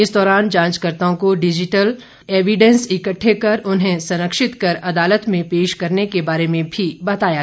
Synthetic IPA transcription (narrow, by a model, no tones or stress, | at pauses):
ɪsd̪ɔːɾaːnd͡ʒãːnt͡ʃkəɾt̪õkoɖɪd͡ʒɪʈəl | eːʋiɖɛ̃nsɪkəʈʰːekɐɾʔʊnɦẽsɐ̃ɾəkʃɪt̪kɐɾɐd̪aːlət̪mẽpeːʃkɐɾnekebaːɾemẽbʱibɐt̪aːja